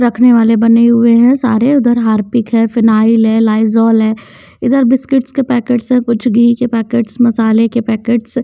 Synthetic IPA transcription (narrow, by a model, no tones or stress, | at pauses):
ɾɐkʰneʋaːlebɐneɦʊeɦɛ̃sa̰ːɾeʊd̪əɾɦaːɾpɪkɦɛ̃ːfɪnaːɪlɦɛ̃laːɪzɔːlɦɛ̃ː | ɪd̪əɾbɪskɪʈskepɛːkeːʈsɦɛ̃kʊt͡ʃʰɡiːkepɛːkeːʈsmɐsaːlekepɛːkeːʈs